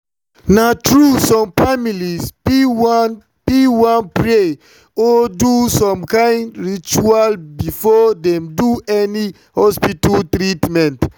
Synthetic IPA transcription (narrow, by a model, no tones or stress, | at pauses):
natɹusɔ̃mfamilispwn | piwãnpɹe | ɔdusɔ̃mkãɪ̃ndɹit͡ʃualbifɔdɛ̃mduɛni | hɔspitaltɹitmɛ̃nt